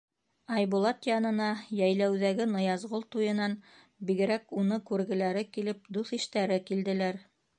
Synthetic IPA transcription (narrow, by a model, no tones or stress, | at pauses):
ɑjbulˠɑt̪jɑnɤ̆nɑjæjlæwðæɡɘnɤ̆jɑzʁolˠt̪ujɤ̆nɑn | biɡɘ̆ɾækunɤkʉɾɡɘ̆læɾɘkilɘp̚d̪uθiʃt̪æɾɘkild̪ɘ̆læɾ